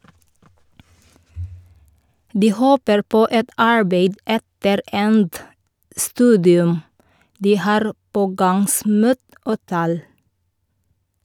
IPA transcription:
ˈdiː ˈhoːpəɾ ˈpoː ˈɛt ˈɑɹbeɪd ˈɛtəɾ ˈɛnt ˈstʉːdɪʉm ˈdiː ˈhɑːɾ ˈpoːɡɑŋˌsmuːt ˈoː ˈtæːl

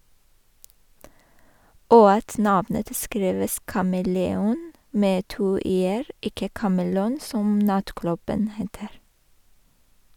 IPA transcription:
ˈoː ˈɑt ˈnɑʋnət ˈskɾiːʋəs kɑməlɛˈuːn ˈmeː ˈtuː ˈeːɹ ˈɪkə kɑməˈluːn ˈsɔm ˈnɑtˌklʉbən ˈheːtəɾ

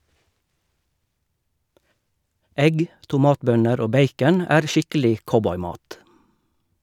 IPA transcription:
ˈɛɡ tʊˈmɑːtˌbœnəɾ ˈoː ˈbeɪkən ˈæːʁ ˈʃɪkəlɪ ˈkɔbɔʏˌmɑːt

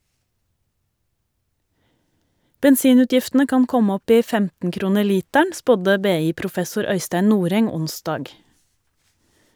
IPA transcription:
bɛnˈsiːˌnʉːtjɪftn̩ə ˈkɑn ˈkɔm ˈɔp ˈiː ˈfɛmtn̩ ˈkɾuːnə ˈliːtæɳ ˈspɔdə ˈbeːˌiːpɾʊˌfɛsʊɾ ˈœʏstæɪn ˈnuːɾɛŋ ˈʊnˌsdɑːɡ

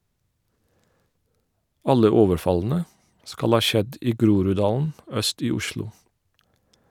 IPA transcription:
ˈɑlə ˈoːʋəɾˌfɑln̩ə ˈskɑl ˈhɑː ˈʃɛd ˈiː ˈɡɾuːɾʉˌdɑːln̩ ˈœst ˈiː ˈʊʃlʊ

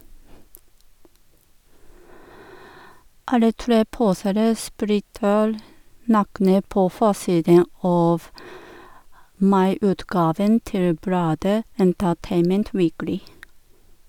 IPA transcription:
ˈɑlə ˈtɾeː ˈpuːseːɾə ˈsplɪtəɾ ˈnɑːknə ˈpoː ˈfoːˌsiːdən ˈɑːf ˈmɑɪˌʉːtˌɡɑːʋən ˈtɪl ˈblɑːdə ɛntəˈteɪmənt ˈʋiːklɪ

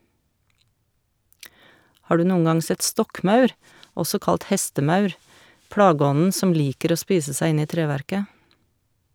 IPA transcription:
ˈhɑː ˈɖʉː ˈnuːə ˈŋɑŋ ˈsɛt ˈstɔkˌmɑʉɾ ˈɔsɔ ˈkɑlt ˈhɛstəˌmɑʉɾ ˈplɑːˌɡɔnn̩ ˈsɔm ˈliːkəɾ ˈoː ˈspiːsə ˈsæɪ ˈɪn ˈiː ˈtɾeːʋæɾkə

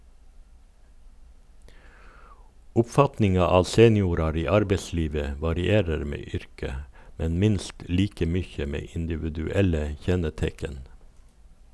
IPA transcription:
ʊpˈfɑtnɪŋɑ ˈɑː ˈseːnɪuːɾɑɾ ˈiː ˈɑɾbəˌsliːʋə ə ʋɑɾɪˈeːɾəɾ ˈmeː ˈʏɾkə ˈmɛn ˈmɪnst ˈliːkə ˈmʏçə ˈmeː ɪndɪʋʉdʉˈɛlə ˈçɛnəˌtɛkən

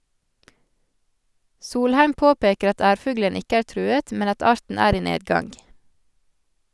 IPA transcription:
ˈsuːlˌhæɪm ˈpoːˌpeːkəɾ ˈɑt ˈæːɾˌfʉɡlən ˈɪkə ˈæːɾ ˈtɾʉːət ˈmɛn ˈɑt ˈɑːɾtn̩ ˈæːɾ ˈiː ˈneːdˌɡɑŋɡ

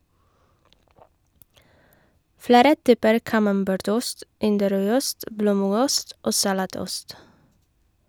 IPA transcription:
ˈfɽeːɾə ˈtyːpəɾ kɑmɑmˈbæːɾˌtʊst ˈɪndəˌɾœʏˌʊst ˈbloːˌmʉɡʊst ˈoː sɑˈlɑːˌtʊst

